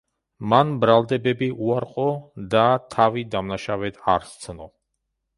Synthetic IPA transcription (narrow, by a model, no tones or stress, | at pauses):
manbɾalˠd̪ɛbɛbiʔuaɾqʼɔd̪at̪ʰavid̪amnaʃavɛt̪ʰa̰ɾst̪sʰnɔ